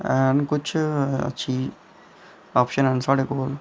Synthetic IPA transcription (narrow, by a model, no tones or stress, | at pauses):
ɛnkʊt͡ʃʰɐ̰tːʃʰi | ɔːpʃənɛ̃nsaːɽekoːl